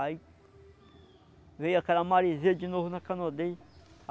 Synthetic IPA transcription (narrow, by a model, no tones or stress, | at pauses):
ai | vejakaɾamaɾized͡ʒinoɦunakanod̪ej